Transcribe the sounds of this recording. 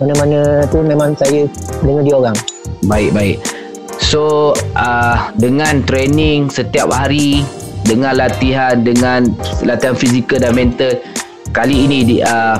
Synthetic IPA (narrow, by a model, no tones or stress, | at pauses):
manəmanə̃t̪umẽmãŋsajədəŋəndioɾaŋbaɪk̚baɪk̚ | soʔədəŋãnt̪ɾenɪŋsət̪iap̚haɾi | dəŋãnlat̪iɦandəŋanlat̪iɦanfizikəldanmɛ̃nt̪ət̪̚ | kaliːnĩdiə